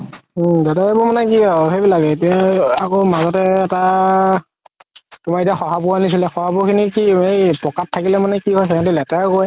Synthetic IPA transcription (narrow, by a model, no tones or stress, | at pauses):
dataebʊmanɛk̬iɔɦebilaɡɛetijaakomazɔtɛːta | tʊmaɹitiaxɔɦapʊanis̬ilɛxɔhapʊkʰinikiejpɹɔkatʰːakilɛmanɛkiɦɔjxekʰantɛlɛtaɹkoj